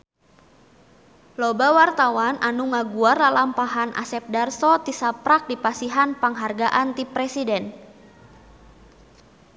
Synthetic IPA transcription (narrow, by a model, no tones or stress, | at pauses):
lɔbawart̪awanʔanuŋaɡuarlalampaɦanʔa̰sɛp̚darsɔt̪isapɾak̚dipasiɦanpaŋɦarɡaʔant̪ipɾɛsidɛn